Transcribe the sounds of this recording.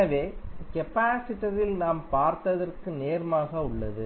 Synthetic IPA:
ɐʋeːkɛpaːsɪʈːɐɾɪlnaːmpaːɾt̪ɐðɐrkɯneːɾmaːɣɐʊɭːɐ̰ðɯ

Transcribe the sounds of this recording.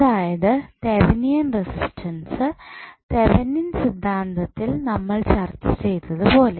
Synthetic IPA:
ðaːjɐðɨt̪eʋɐnijɐnresisʈʰɐnsɨt̪eʋɐninsid̪ʱːaːnd̪ɐt̪ːilnɐmːɐɭt͡ɕɐrt͡ɕːɐt͡ɕe̞jt̪ːɐðɨpo̞ːle

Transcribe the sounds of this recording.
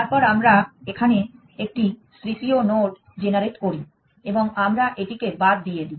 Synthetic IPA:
t̪aɾpɔɾamɾaekʰane | ek̚ʈisɾit̪ionoɖ | d͡ʑenaɾeʈkoɾi | eboŋamɾaʔeʈikebad̪̚ːijed̪i

